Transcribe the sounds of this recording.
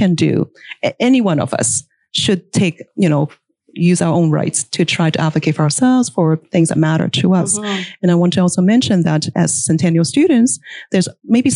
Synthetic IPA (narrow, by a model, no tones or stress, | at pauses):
ɨ̃ndɨ̰ɛniwʌ̃nʌ̰vʌ̰s | ʃɨd̚tʰeɪkjɨnoʊ | jʉzaʊə˞ʔõʊ̃nɹa̰ɪtstʰɨtʰɹ̥aɪɾɨʔædvɨkʰeɪtfə˞ə˞sɛlˠvz̥fə˞θɪ̃ŋzðɨ̰t̚mæɾə̰˞ɾʰəʌsɨ̃naɪwɑ̃ntʰɨɔlˠsoʊmɛ̃nʃɨ̃nðɨɾɨ̰z̥sɛ̃ntʰæ̃njl̩ˠstʉdⁿn̩tsðə˞zmeɪbi